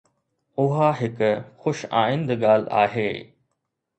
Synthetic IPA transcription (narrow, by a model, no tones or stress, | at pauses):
ʊɦaːɦɪkxʊʃa̰ːĩnd̪əɠaːla̰ːɦeː